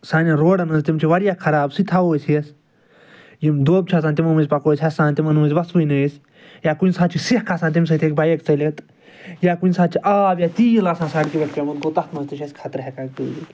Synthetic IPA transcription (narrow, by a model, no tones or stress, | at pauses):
saːnʲiɾoːɽɐnɐzt̪imt͡ʃʰiʋɐɽjaːkʰɐɾaːbsit̪ʰaʋoːsʰiɐs | jimd̪oːb̚t͡ʃʰaːsaːnt̪imɐnmɨzʲpɐkoːsʰʲɐsaːnt̪imɐnmɨzʲʋɐsʋɨjnɐjsʲ | jaːkunʲsaːt͡ʃʰisihkʰaːsaːnt̪imʲs̬ɐt̪ʰekbajekt͡sɐlʲet̪ | jaːkunʲsaːd̪t͡ʃʰiʔaːʋjaːt̪iːjilaːsãːsaːʈkiʋɐʈ̚pʲemut̪̚ɡot̪ɐt̪ʰnɐzt̪iʃɐsʲkʰaːt̪ɾɦʲekaːk̚pilit̪ʲ